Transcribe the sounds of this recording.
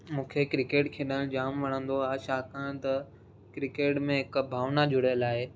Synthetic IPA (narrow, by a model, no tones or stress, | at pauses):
mũːkʰekɾɪkeːʈkʰeːɗəld͡ʑaːmʋɐɽ̤ə̃nd̪oaːɦeʃaːkʰãt̪ɐ | kɾɪkeːʈmẽɦɪkbʱaːʋnad͡ʑʱʊɽ̤əjəlaːe